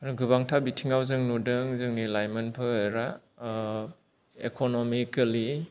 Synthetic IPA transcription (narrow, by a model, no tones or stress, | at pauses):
ɾɡɯbaŋtʰabitʰiŋawzɯŋnudɯŋzɯŋnilajmenpʰɯɾa | ekʰonomikali